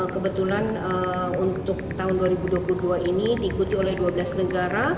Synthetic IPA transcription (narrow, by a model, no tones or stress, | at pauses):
kəbət̪ulanəunt̪ʊk̚t̪aɦʊnduaɾibuduapuluduaʔinidiːkut̪iolɛhduabəlasnəɡaɾa